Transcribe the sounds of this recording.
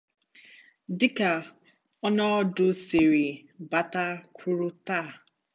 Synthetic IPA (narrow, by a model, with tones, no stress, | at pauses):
dɪ˦ka˨ | ɔ˦nɔ˦ɔ˦dʊ˦se˨ɾi˨ | ba˦ta˦kʷʰu˦ɾʊ˦ta˦˨